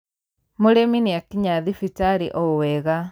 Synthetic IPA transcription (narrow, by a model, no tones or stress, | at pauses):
moɾeminijakiɲaðifitaɾḭʔɔwɛɣa